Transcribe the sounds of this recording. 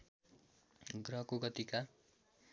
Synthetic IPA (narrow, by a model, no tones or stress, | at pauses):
ɡrʌɦkoɡʌt̪ika